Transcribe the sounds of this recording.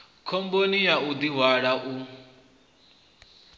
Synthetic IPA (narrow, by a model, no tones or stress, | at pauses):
kʰombonijaud̪iɦwaɺaʔu